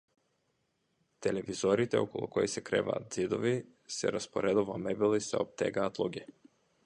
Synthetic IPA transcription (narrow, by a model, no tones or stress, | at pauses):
t̪ɛlɛvizɔɾit̪ɛɔkɔlˠukɔjsɛkɾɛ̰va̰ːt̪zid̪ɔvi | sɛ̰ɾaspɔɾɛd̪uvamɛbilˠisɛ̰ɔp̚t̪ɛ̰ɡaːt̪lˠuɡʲɛ